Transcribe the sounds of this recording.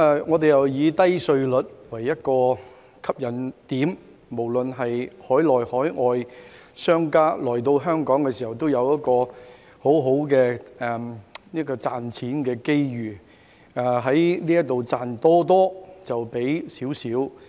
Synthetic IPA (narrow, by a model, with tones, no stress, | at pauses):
ɛ˨˩ŋɔː˨˧t̪e˨jɐ˨˩wjiː˨˧t̪ɐ˥jsɵ˧ɥlɵ˨t̚wɐ˨˩jːɐ˥t̚kɔː˧ | kʰɐ˥p̚jɐ˨˩nt̪iː˨˥m | mo˨˩wlɵ˨nɦɐ˨jhɔː˨˥jlɔː˨jhɔː˨˥jŋɔː˧jsœː˥ŋkaː˥lɔː˨˩jt̪o˧wɦœː˥ŋkɔː˨˥ŋkɛː˧si˨hɐ˨wt̪o˥wjɐ˨˧wjɐ˥t̚kɔː˧ | ho˨˥wɦo˨˥wkɛː˧ɛ˨nɐ˥kːɔː˧t͡saː˨nt͡sʰiː˨˥nkɛː˧ke˥jjyː˨˩˨ | ɦɐ˨˥jniː˥jɐ˥k̚t̪o˨wt͡saː˨nt̪ɔː˥t̪ɔː˥t͡sɐ˨wpe˨˥jsiː˨˥wsiː˨˥w